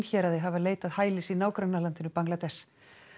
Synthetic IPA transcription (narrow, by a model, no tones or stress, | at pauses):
nçɛːɾaðɪɦavaleːjt̪aðhaːjlɪsinaːwkɾœnːalant̪ɪnʏpaŋklat̪ɛs